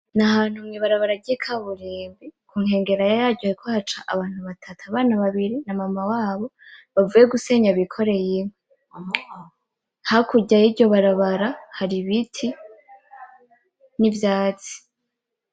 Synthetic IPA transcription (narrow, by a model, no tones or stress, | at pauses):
nahaːn̥humŋiːβaɾaβaɾaɟikʰaβuɾiːmbikʰuːŋhe̞ːŋɡe̞ɾajajaːɟohaɾikʰohat͡ʃaʔaβaːn̥huβatʰatʰaβaːnaβaβiɾinamamawaːβo̞βavuːje̞ɡuse̞ɲaβikʰo̞ɾe̞jimwe | hakuɟajiɟo̞βaɾaβaɾahaɾiβitʰi | nivjaːt͡si̥